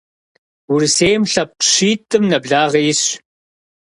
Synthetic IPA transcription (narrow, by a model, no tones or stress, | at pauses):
wʊɾiseːjmɬɐp̚ɕiːtʰʼɨmnɐbɮaːʁɐjɪɕ